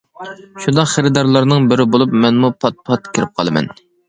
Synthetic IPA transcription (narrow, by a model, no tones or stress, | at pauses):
ʃund̪ɑqχeɾɪd̪ɑɾlˠɑɾnɨŋbɪɾɪbolˠup̚mɛnmupʰɑt̪̚pʰɑt̪̚kʲʰɪɾɪp̚qʰɑlˠɨmɛ̰n